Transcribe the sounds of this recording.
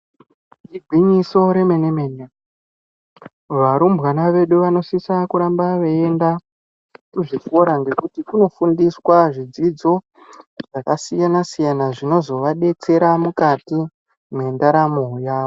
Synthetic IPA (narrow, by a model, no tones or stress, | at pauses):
dibʱwiɲiso̞ɾe̞me̞nemene | ʋaɾumbwanaʋe̞ɗuʋano̞sisakuɾambaʋee̞nda | kuʐiko̞ɾaŋɡe̞kutikuno̞fundiswaʐid͡zid͡zo̞ | ʐ̥akasijanasijanaʐino̞zo̞ʋaɗe̞t͡se̞ɾamukati | me̞ndaɾamoɦjaːʋo